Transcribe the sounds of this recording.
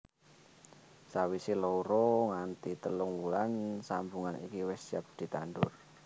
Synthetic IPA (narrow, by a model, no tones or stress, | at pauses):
sawisilouɾoŋant̪it̪əlʊŋwulansambuŋanḭkiwɛsiap̚d̪̥i̤t̪anɖʊ̰r